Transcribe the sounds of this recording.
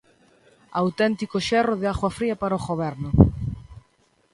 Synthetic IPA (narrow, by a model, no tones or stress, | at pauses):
awt̪ɛnt̪ikʊʃɛrʊðɪaɣwafɾiɐpaɾɐoɣoβɛɾnʊ